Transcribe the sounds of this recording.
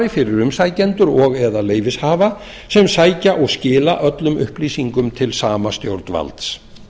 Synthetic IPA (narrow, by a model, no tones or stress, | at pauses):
ɾɪfɪɾɪɾʏmsajcɛnt̪ʏɾɔɣɛðaleːjvɪshaːva | sɛmsaːjcaʔɔɣscɪːlaʔœt̪lʏmʏ̰hpliːsiŋkʏmt̪ʰɪlsaːmast̪jowɾt̪nva̰lt̪s